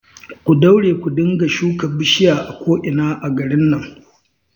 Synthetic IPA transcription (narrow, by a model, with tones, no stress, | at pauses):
kʷu˨da˦wɽeː˨kʷu˨dɪ˦ŋɡa˨ʃuː˦kɐ˨bɪ˦ʃɪ˦jaː˨ʔa˨kʷoː˦ʔɪ˨naː˦ʔa˨ɡɐ˨ɽɪ˦nːɐ˨ŋ